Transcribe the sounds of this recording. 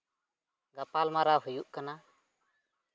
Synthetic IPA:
ɡapalmaɾaɦujuʔkana

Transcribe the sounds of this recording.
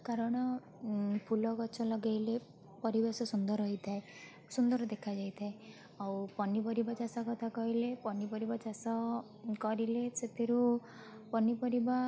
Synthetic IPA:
kaɾɔɽ̃ɔ | pʰulɔkɔt͡ʃʰɔlɔɡajle | pɔɾibasɔsund̪ɔɾɔɦit̪ʰae | sund̪ɔɾd̪ekʰad͡ʒajt̪ʰae | awpɔnibɔɾibat͡ʃasakɔt̪ʰakɔɦilepɔnipɔɾibat͡ʃasɔ | kɔɾileset̪ʰiɾu | pɔnipɔɾiba

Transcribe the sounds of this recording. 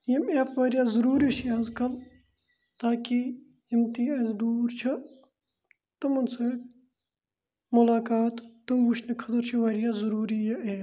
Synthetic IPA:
jimefʋɐɾjaːzuɾuːɾiʃʰiɐzkɐl | t̪aːki | jimt̪iːɐzd̪uːɾt͡ʃʰɐ | t̪umɐnsɐːk | mulaːkaːt̪ːumɡuʃnɐkʰɐt̪ɐɾt͡ʃʰiʋɐɾijaːzuɾuːɾijɐʔeː

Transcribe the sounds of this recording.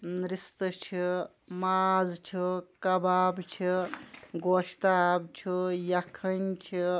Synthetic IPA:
nɾist̪ɨt͡ʃʰi | mazt͡ʃʰikɐbaːbt͡ʃʰiɡoʃt̪abt͡ʃʰijɐkʰənt͡ʃʰi

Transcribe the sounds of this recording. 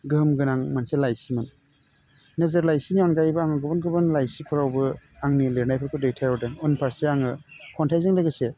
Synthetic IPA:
ɡɯmɡɯnaŋmanselajsiman | nɯzɯɾlajsiniɔnɡajbɯaŋɯɡɯbɯnɡɯbɯnlajsipʰɯɾawbɯaŋnileɾnajpʰɯɾkʰɯdejtʰajɾawdɯŋɔnpʰaɾsiaŋɯkʰɔntʰajzɯŋleɡɯse

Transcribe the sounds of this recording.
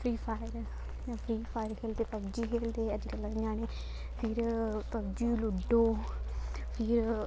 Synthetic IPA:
pʰɾiːpʰaːjəɾ | apʰɾiːpʰaːjəɾkʰeːld̪eːpəbd͡ʒiːkʰeːld̪eːəd͡ʒkələd͡ʒaːneː | pʰɪɾpəbd͡ʒiːlʊɖoː | pʰɪɾ

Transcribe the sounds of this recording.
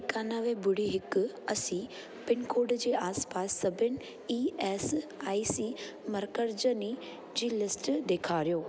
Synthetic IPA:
kaːnaʋẽbʊɽ̤iɦɪk | ɐsĩ | pɪnkoːɖd͡ʑeːaːspaːsːɐbʱɪnɪ | iːeːsaːisiːmɐɾkəɾd͡ʑəni | d͡ʑiːlɪsʈd̪eːkʰaːɾijoː

